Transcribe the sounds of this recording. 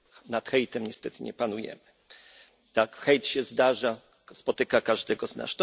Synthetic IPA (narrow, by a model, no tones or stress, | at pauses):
nat̪xɛjt̪ɛmɲɛst̪ɛt̪ɘɲɛ̰panujɛ̰mɘ | t̪akxɛjt̪ɕɛzd̪aʐa | spɔt̪ɘkakaʐd̪ɛɡɔzna̰st̪ɔ